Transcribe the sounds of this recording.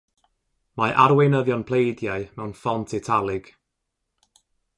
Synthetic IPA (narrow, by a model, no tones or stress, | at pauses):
maʔaɾwejnəðjɔnpʰl̥ˠejdjaɨmɛwnfɔntʰɪtʰalˠɪɡ̥